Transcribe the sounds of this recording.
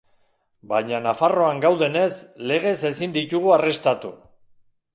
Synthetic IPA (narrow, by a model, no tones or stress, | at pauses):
baɲanafaro̞aŋɡawðe̞ne̞sle̞ɣ̞e̞se̞sind̪it̪uɣ̞uare̞st̪at̪u